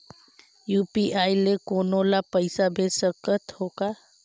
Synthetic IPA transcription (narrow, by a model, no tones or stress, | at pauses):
jupiʔajlekonolapəɪsabʱesəkət̪hoka